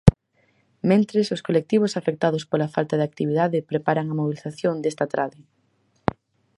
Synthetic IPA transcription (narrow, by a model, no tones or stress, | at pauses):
mẽnt̪ɾesoskolek̚t̪iβ̞osafek̚t̪aðospolafalt̪aðak̚t̪iβiðaðɪpɾepaɾaŋɐmoβ̞iliθaθjond̪est̪at̪ɾʔaðɪ